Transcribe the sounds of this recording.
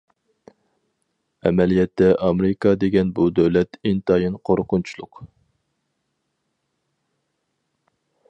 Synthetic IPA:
ɛmɛlijɛt̪ːɛʔɑmeɾɨkɑd̪eɡʲɛnbud̪øwlɛt̪int̪ɑjinqʰoɾqʰʊnt͡ʃʰulˠʊq

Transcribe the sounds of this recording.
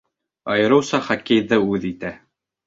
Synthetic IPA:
ɑjɤ̆ɾɤ̆wsɑχækejðɘʉðit̪æ

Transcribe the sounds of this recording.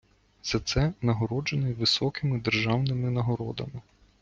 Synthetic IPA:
z̥ɐt̪sɛnɐɦɔɾɔd͡ʒenɛʋɪsɔkɪmɪd̪erʒɑwnɪmɪnɐɦɔɾɔd̪ɐ̰mɪ

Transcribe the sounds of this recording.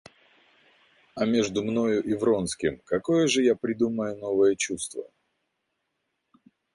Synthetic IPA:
ɐmʲe̞ʐd̪ʊmno̞jʊʔɪvɾo̞nskʲɪmkɐko̞jəʐɨjapɾʲɪd̪uməjʊno̞vəjət͡ɕust̪və̰

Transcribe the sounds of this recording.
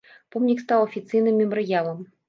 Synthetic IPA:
pɔmnʲikst̪awˠɐfʲit̪sɨjnɨmʲːɛmɔɾɨjalˠɐm

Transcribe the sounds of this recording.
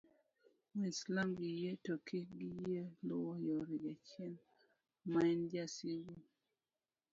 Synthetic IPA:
mislamɡijetokʰiɡijelʊwɔjoɾiɡat͡ʃjɛn | maɛndjasiɡo

